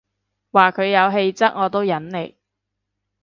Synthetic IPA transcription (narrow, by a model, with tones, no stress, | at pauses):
waː˨kʰɵ˨˧ɥjɐ˨˧wɦe˧jt͡sɐ˥k̚ŋɔː˨˧t̪o˥wjɐ˨˥nle˨˩j